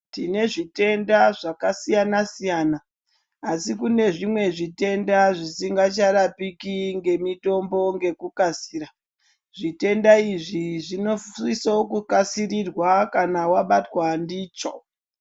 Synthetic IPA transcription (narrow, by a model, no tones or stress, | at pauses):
tine̞ʐite̞ndaʐakasijanasijaːnaː | sikune̞ʐimwe̞ʐite̞ndaʐisiŋɡat͡ʃaɾapikiŋɡe̞mito̞mbo̞ŋɡe̞kukasiːɾa | ʐite̞ndaiʐiʐino̞isaokukasirirwakanawaɓatwandiːt͡ʃo